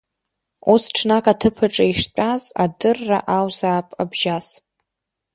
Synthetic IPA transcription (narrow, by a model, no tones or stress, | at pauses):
usʈ͡ʂʰnakʼatʰɨpʰɨʈ͡ʂʼaiʂt͡pʲʷʼaz̥a̰dɨrːa̰ʔawzaːpʼabʒas